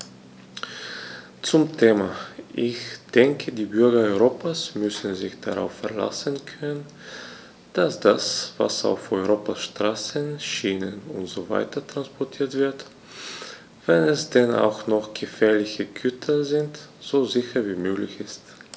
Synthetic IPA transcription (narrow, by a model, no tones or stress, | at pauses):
t͡sʊmtʰeːmaʔɪçd̥ɛŋkʰədiːbʏɐɡɐɔʏʁoːpʰasmʏsn̩zɪçd̥aʁa̰ʊfɛɐla̰sənkʰœnən | d̥asd̥asva̰sa̰ʊfɔʏʁoːpaʃtʁ̥aːsənʃiːnənʊntz̥oːva̰ɪtʰɐtʁ̥anspɔɐtʰiːɐtv̥ɪɐt | v̥ɛnɛsd̥ɛna̰ʊxnɔχɡ̥əfɛːɐlɪçəɡʰʏtʰɐzɪntz̥oːzɪçɐviːmøːɡlɪ̰çɪst